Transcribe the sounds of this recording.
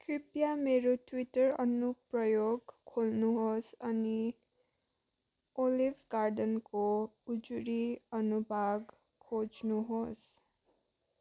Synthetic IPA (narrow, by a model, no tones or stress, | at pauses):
kripjameɾoʈwiʈʌɾʌ̰nuprʌjoɡkʰolnuɦosʌni | olibʱɡaɾɖʌnkoud͡zuɾiʌnubʱaɡ | kʰːod͡znuɦos